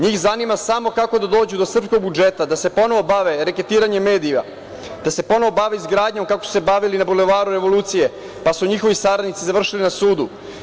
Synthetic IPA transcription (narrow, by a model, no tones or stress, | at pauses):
ɲiːxzanimasamo̞kako̞d̪ad̪o̞ːd͡ʑud̪o̞sr̩psko̞ɡ̚bud͡ʒet̪ad̪ase̞po̞no̞ʋo̞baʋeɾeke̞t̪iːɾaɲemːe̞ːd̪ija̰ | d̪̥ase̞po̞no̞ʋo̞baʋeizɡɾaːd̪ɲo̞mkako̞su̥se̞baʋilinabuleʋaːɾuɾe̞ʋo̞lˠuːt̪sije̞ | pasuɲixo̞ʋist̪aɾad̪nit̪sizaʋr̩ʃilinasuːd̪u